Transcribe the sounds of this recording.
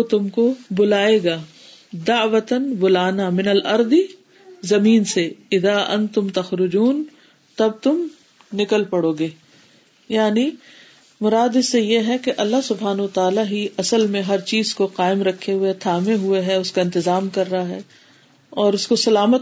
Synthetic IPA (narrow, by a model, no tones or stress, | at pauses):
t̪ʊmkobʊlaːeːɡaː | d̪ɐʕʋɐt̪ənbʊlaːnamɪnɐlʔɐɾd̪i | zɐmiːnseɪðaːʔɐ̰̃nt̪ʊmt̪ɐxɾʊd͡ʒuːn | t̪ɐb̚t̪ʊm | nɪkəlpɐɽoːɡeː | jaːni | mʊɾaːd̪ɪsejeɦɛkeʔɐlːaɦsʊbɦaːnɐwɐt̪aːlaɦiɐsəlmẽɦɐɾt͡ʃiːzkoqaːɪmɾɐkʰːeɦʊet̪ʰaːmẽɦʊeɦɛʊskaɪ̃nt̪ɪzaːmkɐɾːɐaɦɛː | ɔːɾʊskosɐlaːmət̪